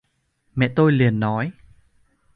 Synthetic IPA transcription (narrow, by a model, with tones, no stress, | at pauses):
mɛ̰˧˨t̪o˧jli˨˩ənːɔ˨˦j